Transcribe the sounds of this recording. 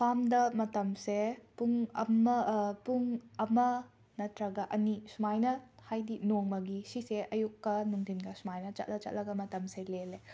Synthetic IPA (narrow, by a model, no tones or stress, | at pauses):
pʰamdɐmɐtɐmsepuŋɐmɐpuŋɐmɐ | nɐtɾɐɡɐʔɐnisumajnɐhajdinoŋmɐɡisiseʔɐjukːɐnuŋdʱinɡɐsumajnɐt͡ʃɐ̰t̚lɐt͡ʃɐ̰t̚lʔɐɡɐmɐtɐmselele